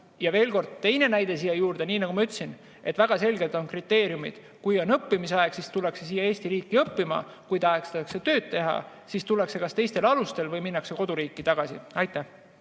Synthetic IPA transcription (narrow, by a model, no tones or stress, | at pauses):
jɑve̞ːlko̞rd̪̥̚t̪e̞jne̞næjd̪̥e̞sijɑjuːrd̪̥e̞niːnɑɡ̥umɑyt̪ːsin | ʔe̞t̪væɡ̥ɑse̞lɡe̞lt̪ˑo̞nkrit̪ːˑe̞ːɾijumḭd̪̥ | kujo̞nɤpːimiseɑeɡ̥sist̪ulːekse̞siːjːɑeːst̪iɾiːkːiɤpːimɑ̰ | kujt̪ɑekst̪ːɑkset̪øːd̪̥̚t̪e̞ɦɑ̰ | sist̪ulːekse̞kɑst̪e̞jst̪e̞lɑlust̪e̞lvɤjminːɑkse̞ko̞d̪uɾiːkːit̪ɑɡ̥ɑsḭɑjt̪ːˑæh